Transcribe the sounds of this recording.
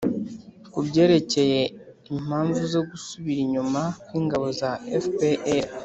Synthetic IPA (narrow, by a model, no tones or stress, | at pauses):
kubɟe̞ːɾe̞ce̞je̞ | im̥aːɱvuzo̞ɡusuβiɾiɲumakwiːŋɡaβo̞zaefpeʔeɾ